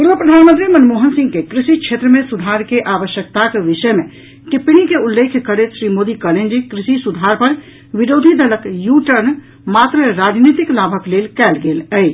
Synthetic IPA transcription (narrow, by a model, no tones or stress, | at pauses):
puɾʋəpɾəd̪ʱanmənt̪ɾimənmoɦənsĩŋɡkekɾisit͡ʃʰet̪ɾəmesud̪ʱaɾkeʔaʋəʃjək̚t̪akeʋiʃəme | kipñikeulːekʰkəɾet̪ʃɾimod̪ikəlend͡ʒikɾisisud̪ʱaɾpəɾ | ʋiɾod̪ʱid̪ələkjuʈəɾn | mat̪ɾəɾad͡ʒnit̪iklabʱəklelkɛlɡeləj